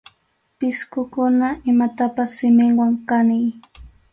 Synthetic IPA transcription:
pɪskʊkʊnaɪmat̪apasːɪmɪŋwaŋkanɪj

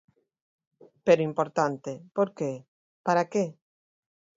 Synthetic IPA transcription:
peɾoimpoɾt̪ant̪epoɾke | paɾake

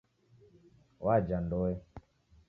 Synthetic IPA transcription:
wad͡ʒandɔɛ

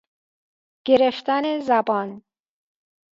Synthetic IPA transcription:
ɡ̥e̞ɾe̞ft̪ʰænezæbɒːn

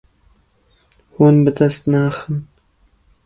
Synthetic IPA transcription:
huːnbɨd̪ɐst̪naːxən

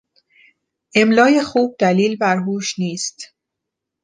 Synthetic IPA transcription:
ʔe̞mlɒːjexuːb̚d̪æliːlbæɾɦuːʃniːst̪

